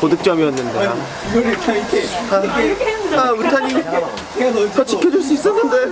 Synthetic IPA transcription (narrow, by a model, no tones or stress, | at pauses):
kodɯk̚t͡ɕ͈ʌmijʌnːɯnde | iɡʌɾtʰaikʰeaeaɯtʰaɲi | kat͡ɕ͈ikʰjʌd͡ʑuɭs̬͈uis͈ʌnːɯnde